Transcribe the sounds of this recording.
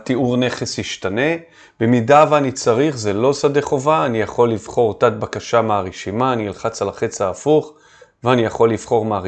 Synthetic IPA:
t̪iuʁne̞χesjiʃtane̞ | b̥emidaveanit͡saʁiχzelo̞sad̪eχo̞vaːnijaχo̞lːivχo̞ʁt̪at̪̚bakaʃameaʁiʃimaːnilχat͡salaχet͡saːfuχ | veanijaχo̞lːivχo̞ʁmeaʁ

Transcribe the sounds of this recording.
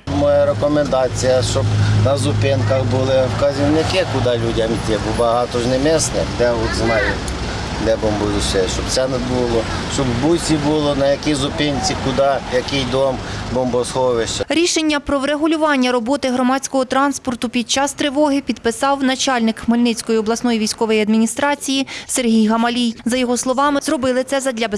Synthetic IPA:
mɔjɛɾekɔmend̪ɑt͡sʲijɐʃt͡ʃɔbnɐzʊpɪnkɐxbʊlˠɪwkɐzʲiwnɪkɪkʊd̪ɑlʲudʲɐmit̪ɪbʊbɐɦɑt̪ɔʒnemɛsnɛd̪ɛɔt̪znɑjʊ | lʲɛbɔmbʊjʲuʃsʲɛʃt͡ʃɔb̪̚sɛnɛbulˠɔʃt͡ʃɔbbujsʲibʊlˠɔnɐjɐkizʊpɪnʲt͡sʲikʊd̪ɑjɐkɪjd̪ɔmbɔmbɔshɔʋeʃt͡ʃɐɾʲiʃe̞nʲːɐpɾɔʋɾeɦʊlʲʊʋɑnʲːɐɾɔbɔt̪ɪɦɾɔmɑt͡sʲkɔɦɔt̪ɾɑnspɔrt̪ʊpʲid̪̚t͡ʃɑst̪ɾɪʋɔɦɪpʲid̪pɪsɑwnɐt͡ʃɑlʲnɪkmelʲnɪt͡sʲkɔjiɔblˠɐsnɔjiʋʲijsʲkɔʋɔjiɐd̪mʲinʲist̪ɾɑt͡sʲijiserɦʲijɦɐmɐlʲijzɐjɔɦɔslˠɔʋɑmɪzrɔbɪlˠɪt̪sɛzɐd̪ʲlʲɐbe

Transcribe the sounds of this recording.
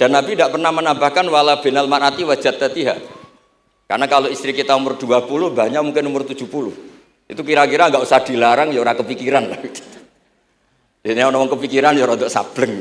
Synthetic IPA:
d̥anabindaʔpərnahmənambahkanwalab̥e̤nalmanat̪iwḁd͡ʒ̥a̤t̪ːat̪iɦa̰ʔ | ka̰rnakaloist̪ɾikit̪anumʊrd̪̥uapulʊhbaɲamuŋkɪnumʊrt̪ud͡ʒ̥ṳpulʊh | ḭt̪ukiɾakiɾaŋɡaʔusahd̥i̤laɾaŋjoɾakəpikiɾanlahit̪u̥ | inianɔmɔŋkəpikiɾanjɔɾɔd̪ɔʔsa̰b̥ləŋ

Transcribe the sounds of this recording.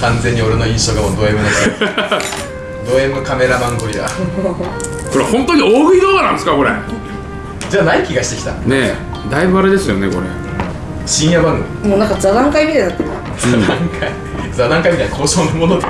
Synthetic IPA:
kãnd͡zẽ̞ɲ̟ːio̞ɾeno̞ĩɰ̃ɕo̞ːɡamoːd̪o̞emɯ̟no | d̪o̞emɯ̟kame̞ɾabãŋɡoɾʲida̰ | koɾehõ̞nt̪oɲ̟ioːɡɯid̪oanãndesɨ̥kako̞ɾḛ | d͡ʑaːnaikʲiɡaɕi̥t̪e̞kʲi̥t̪a̰ne | d̪aibɯ̟aɾe̞d̪e̞sɨjo̞ne̞ko̞̰ɾḛ | ɕĩɰ̃jabãŋɡɯ̟mʲimonãŋkazad̪ãŋkaimʲit̪aɲinat̪ːeɾɯ̟a | d͡zad̪ãŋkʰai | d͡zad̪ãŋkaimʲit̪ainako̞ːɕoːnomono

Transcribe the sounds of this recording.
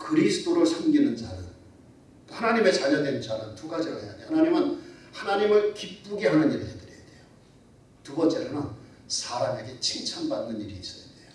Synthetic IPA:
kɯɾisʰɯ̥t͈oɾɯɭsʰamɡinɯnd͡ʑaɾɯn | hanaɲime̞t͡ɕaɲʌdwe̞nnd͡ʑaɾɯntuɡad͡ʑiɾohe̞jadeohanaɲimɯnhanaɲimɯɭkip͈uɡeɦanɯniɾɯɦedɯɾijade̞jo | tubʌnt͡ɕ͈e̞ɾonɯn | sʰaɾame̞ɡe̞t͡ɕʰiŋt͡ɕʰanbanːɯniɾiːs͈ʌjade̞jo

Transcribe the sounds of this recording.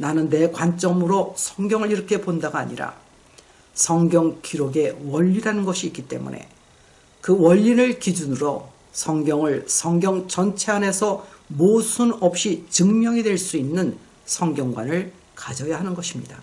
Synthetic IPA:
nanɯnːe̞kwant͡ɕ͈ʌmɯɾosʰʌŋɡjʌŋɯɭiɾʌkʰe̞pondaɡaaɲḭɾa̰ | sʰʌŋɡjʌŋkiɾoɡe̞wʌʎːiɾanɯnɡʌɕʰiːk͈it͈e̞̰mṵnʔe̞̰ | kɯwʌʎːinɯɭkid͡ʑunɯɾo | sʰʌŋɡjʌŋɯɭsʰʌŋɡjʌŋt͡ɕʌnt͡ɕʰe̞ane̞sʰʌmosʰunʌp̚ɕ͈it͡ɕɯŋmjʌŋidwe̞ɭs͈uinːɯn | sʰʌŋɡjʌŋɡwanɯɭ | kad͡ʑʌjaɦanɯnɡʌɕʰimɲida

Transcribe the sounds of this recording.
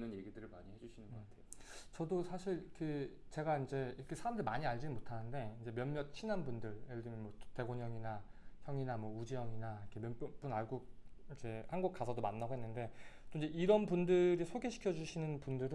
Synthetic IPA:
nɯnje̞ɡidɯɾɯɭmaɲihed͡ʑuɕʰinɯnɡʌkatʰeot͡ɕʌdosʰaɕʰiɭkɯt͡ɕe̞ɡaind͡ʑe̞iɾʌkʰesʰaɾamdɯɭmaɲiaɭd͡ʑiɯmotʰanɯnde̞ind͡ʑe̞mjʌnmjʌt̚t͡ɕʰinanbundɯɭjeɯdɯmjʌnmwʌte̞ɡoɲʌŋinaçjʌŋinamwʌud͡ʑijʌŋinaikʰemjʌnp͈unaɭɡuid͡ʑe̞hanɡuk̚k͈asʰʌdomanːaɡoɦenːɯnde̞t͈oiɲd͡ʑe̞iɾʌnpundɯɾisʰoɡeɕʰi̥kʰjʌd͡ʑuɕʰinɯnpundɯɾɯ

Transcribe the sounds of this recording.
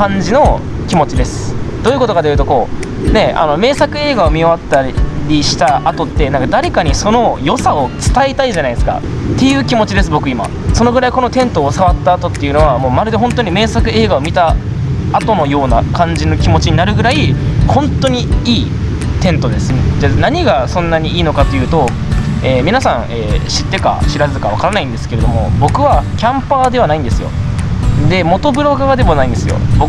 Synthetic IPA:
kãɲ̟d͡ʑino̞ | kʲimo̞t͡ɕid̪e̞sɨ̥d̪̥o̞ːjiɯ̟kot̪okad̪ejɯ̟t̪oko̞ː | ne̞a̰no̞me̞ːsakɯ̟e̞ːɡaomʲiaβat̪ːaɾʲiɕi̥t̪aʔat̪o̞t̪ːe̞nãŋkad̪aɾe̞kaɲ̟iso̞no̞jo̞sao̞t͡sɨ̥t̪aet̪aiʑanaid̪esɨ̥ka̰ | t̪ːe̞jɯ̟ːkʲimo̞t͡ɕid̪e̞s̬ɨbo̞kɯ̟ima̰ | so̞no̞ɡɯ̟ɾaiko̞no̞t̪ẽ̞nt̪o̞ːsaβat̪ːaːt̪o̞t̪ːe̞jiɯ̟no̞βamo̞ːmaɾɯ̟d̪eɦõ̞nt̪oɲ̟ime̞ːsakɯ̟e̞ːɡaomʲit̪aː | t̪o̞no̞jo̞ːnakãɲ̟d͡ʑino̞kʲimo̞t͡ɕiɲ̟inaɾɯ̟ɡɯ̟ɾaihõ̞nt̪o̞ɲ̟iiː | t̪ẽ̞nt̪o̞d̪e̞sɨned͡ʑanaɲ̟iɡasõ̞nːaɲ̟iiːno̞kat̪o̞jɯ̟ːt̪o̞ | eːmʲinasãɰ̃eːɕit̪ːe̞ka̰ɕiɾazɨkaβ̞akaɾanaĩnd̪esɨ̥ke̞ɾe̞d̪o̞mo̞̰bo̞kɯ̟βakʲãmpaːd̪e̞β̞anaĩnd̪e̞sɨjo̞̰ | d̪e̞mo̞t̪o̞bɯ̟ɾo̞ɡaɡad̪e̞monaĩnd̪esɨjo̞̰bo

